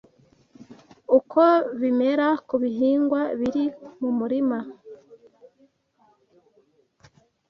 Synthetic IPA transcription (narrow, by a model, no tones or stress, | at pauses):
ukʰoβime̞ɾakuβiɦiːŋɡwaβiɾimumuɾima